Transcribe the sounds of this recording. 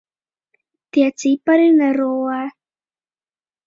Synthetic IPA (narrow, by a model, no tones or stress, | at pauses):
t̪iat͡sipaɾinaɾowa